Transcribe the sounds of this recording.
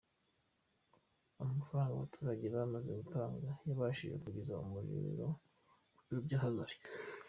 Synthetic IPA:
amafaɾaːŋɡawβatʰuːɾaɟeβamaze̞ɡutaːŋɡajaβaʃiʒe̞̰kuɟezaṵmuɾḭɾḭɾo | uubɟahazaɾi̥

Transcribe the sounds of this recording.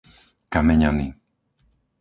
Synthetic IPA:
kamɛɲaniː

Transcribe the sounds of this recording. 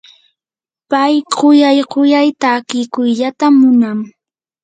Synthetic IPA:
pajqojajɢojajt̪akɪkʊjʎat̪amːʊnaŋ

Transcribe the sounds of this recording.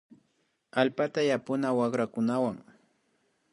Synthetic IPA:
alpat̪ajapʊnawaχɾakʊnawaŋ

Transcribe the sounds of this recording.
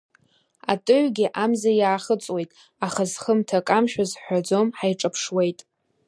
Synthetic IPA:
atʼɨʕʷɡʲɪʔamzajaːχət͡sʼwejtʼ | aχazχəmtʰakʼamʃᶣazħʷᶣad͡zo̞mħajʈ͡ʂʼapʰʂwe̞jtʼ

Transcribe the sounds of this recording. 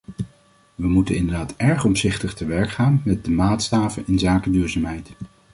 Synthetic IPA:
ʋəmutənɪndəɹdaːtɛɹχɔmsɪχtəχtəʋɛɹkχaːnmɛt̚dəmaːtstaːvənɪnzaːkədyːɹzaːmɦɛjt

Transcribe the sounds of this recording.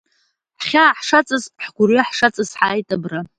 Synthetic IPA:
ħχʲaːħʂat͡sʼɨzʼħɡʷʊriaħʂat͡sʼɨzħaːjtʼabra

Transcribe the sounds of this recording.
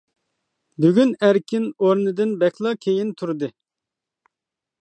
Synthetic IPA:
byɡʲynæɾkʲinoɾnɨd̪ɪnbɛkʰʲlˠɑkʲʰejint̪ʰuɾd̪ɨ

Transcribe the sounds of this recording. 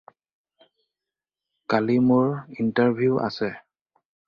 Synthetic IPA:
kalimʊɹintaɹbʱijuʔa̰sɛ

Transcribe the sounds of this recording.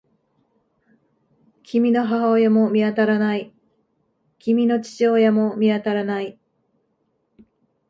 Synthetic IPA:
kʲimʲino̞ɦaɦaojamo̞mʲiat̪aɾanai | kʲimʲino̞t͡ɕi̥t͡ɕoːjamo̞mʲiat̪aɾanai

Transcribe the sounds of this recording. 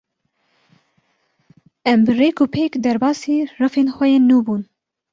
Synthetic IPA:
ʔɛmbɨreːkʊpʰeːkd̪ɛɾbɑːsiːrɨfeːnxwɛjeːnːuːbuːn

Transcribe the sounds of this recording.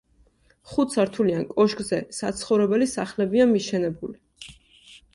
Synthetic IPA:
χut̪saɾt̪ʰuliankʼɔʃkʼzɛsat̪sʰχɔvɾɛbɛlisaχlɛbiamiʃɛnɛbuli

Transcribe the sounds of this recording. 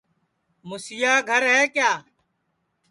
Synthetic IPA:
mʊsɪjaːɡʱəɾɦɛːkjaː

